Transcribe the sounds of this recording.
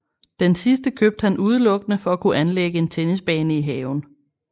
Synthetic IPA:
d̥ensisd̥əkʰøːb̥̚d̥hænʔuð̞ˠəlɔ̽ɡ̥ənəfɒ̽ækʰuʔænleɡ̥əe̝nt͡sʰenisb̥ɛ̰ːnəiɦɛːʊn̩

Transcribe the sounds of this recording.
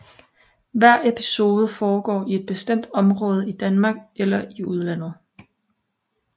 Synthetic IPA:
ʋæɐ̰epʰi̥so̝ːð̞ˠəfɒːɡ̥ɒ̰ːie̝d̥̚b̥e̝sd̥em̰d̥ɒ̽mʁɔ̽ːð̞ˠəid̥ænmɑ̈ːɡ̥elɐiuð̞ˠlæn̰ð̞̩ˠ

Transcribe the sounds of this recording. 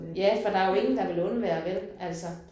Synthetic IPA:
jæfɒ̽d̥ɑ̈æjo̝e̝ŋn̩d̥ɑ̈ʋe̝lɔ̽nəʋæːɐʋed̥emæl̰sɒ

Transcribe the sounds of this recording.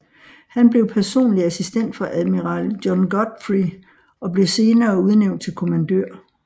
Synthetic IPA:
hænb̥le̝ʊpʰæɐso̝̰ːnliæsisd̥en̰d̥fɑ̈ʔæðˠmiʁɑ̰ːld̥jɒnɡ̥ɒd̥fʁi | ɒ̽b̥le̝se̝ːnɐːuð̞ˠneʊ̰nd̥̚t͡sʰe̝lkʰo̝mænd̥ø̰ɐ̰

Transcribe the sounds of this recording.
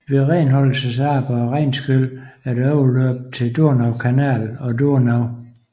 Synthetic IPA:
ʋe̝ʁɛːnɦɒ̽l̰səsɑ̈ːb̥ɐʁɛɪnsɡ̥øl̰æɐɾ̥ɒʊløb̥̚t͡sʰe̝d̥oɐ̰nɑ̈ʊkʰænæ̰ːlɒ̽d̥oɐnɑʊ

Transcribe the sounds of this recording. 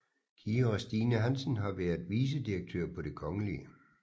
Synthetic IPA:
kʰiːoʁsd̥iːnəɦænsn̩ɦɑ̈ʋæɐðˠʋiːs̬əd̥iɐɡ̥̚t͡sʰø̰ɐ̰pʰɒ̽d̥e̝kʰɒ̽ŋəliə

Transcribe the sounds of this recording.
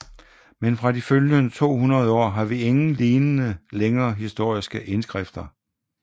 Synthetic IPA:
menfʁɑ̈diføljnət͡sʰo̝̰ːɦunɐð̞̩ˠɒ̰ːɦɑ̈ʋie̝ŋn̩liːnənəleŋɐːɦisd̥o̝ɐ̰isɡ̥əʔe̝nsɡ̥ʁɛfd̥ɐ

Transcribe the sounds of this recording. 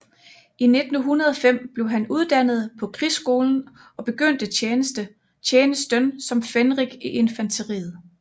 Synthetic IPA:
ine̝d̥n̩ɦunɐð̞ˠɒ̽fem̰b̥le̝ʊɦænuð̞ˠd̥æn̰ð̞̩ˠpʰɒ̽kʰʁisɡ̥o̝ːln̩ | ɒ̽b̥e̝ɡ̥øn̰d̥ənd̥ə | eːnəsd̥ənsɒ̽mfenʁiɡ̥iʔe̝nfænt͡sʰəʁḭːð̩ˠ

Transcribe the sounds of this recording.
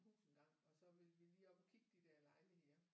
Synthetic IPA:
hṵːsn̩ɡ̥ɑ̈ŋ̰ɒ̽sɒ̽ʋe̝lʋiliːɒb̥ɒkʰiɡ̥̚d̥id̥æɐlɑ̈ɪliheɐ

